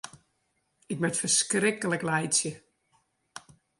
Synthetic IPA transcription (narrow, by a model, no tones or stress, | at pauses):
ɪk̚mɛtfərskrɪkələklɛjsjə